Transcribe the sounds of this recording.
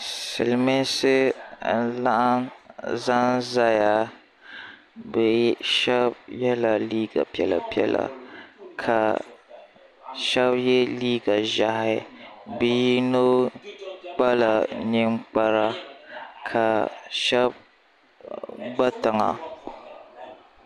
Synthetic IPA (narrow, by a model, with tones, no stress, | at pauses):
sɨ˨lmɪ˦nsɨ˦n̩˦la˦ʔa˦nza˦nza˦ja˨ | bɛ˨ʃɛ˦b̚jɛ˦la˨liː˦ɡa̰˨pi˦ɛ˨la̰˨pi˦ɛ̰˦la̰˨kʰa˨ | ʃɛ˦bjɛ˦liː˦ɡa˨ʒa˨hɪ˨bi˨˦i˦no˦ | k͡pa˦la˨nɨ˦ŋ͡mk͡pa˦ɾa˦ | kʰa˨ʃɛ˦b̚ | ɡ͡ba˦tɨ˨ŋa̰˨